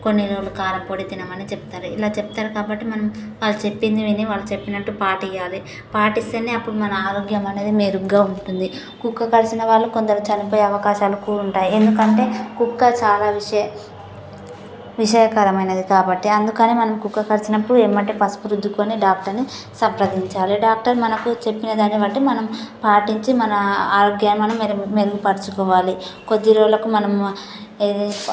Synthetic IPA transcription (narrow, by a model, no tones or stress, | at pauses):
ko̞nːiloːlːukaːlɐpoːɽit̪inɐmɐnit͡ʃepu̥t̪aːɾuilaːt͡ʃepu̥t̪aːɾukaːbɐʈːimɐnɐmʋaːɭːut͡ʃe̞pːind̪iʋiniʋaːɭːut͡ʃe̞pːinɐʈːupaːʈɛjːaːli | paːʈist̪eneːɐpːuɽumɐnɐaːɾoːɡjɐmɐne̞ːd̪imeːɾuɡaːuɳʈund̪i | kukːɐkɐɾisinɐʋaːɭːuko̞nd̪ɐɾut͡ʃɐnipoːjeɐʋɐkaːʃaːlukuːɾuɳʈaːjiend̪ukɐɳʈe̞ːkukːɐt͡ʃaːlaːʋi | ʋiʂɐjɐkɐɾɐmɐjnɐd̪ikaːbɐʈːiɐnd̪ukɐneːmɐnɐmkukːɐkɐɾisinɐpːuɽueːmːɐɳʈeːpɐspuɾud̪ʱːukoːniɖaːk̚ʈɐɾni | sɐmpɾɐd̪iɲt͡ʃaːliɖaːk̚ʈɐɾmɐnɐkut͡ʃe̞pːinɐd̪aːniʋɐʈːimɐnɐmpaːʈiɲt͡ʃimɐnɐaːɾoːɡjaːnmɐnɐmeɾmeɾuɡupɐɽt͡ʃukɔːʋaːliko̞d̪ːiɾoːlɐkumɐnɐm | e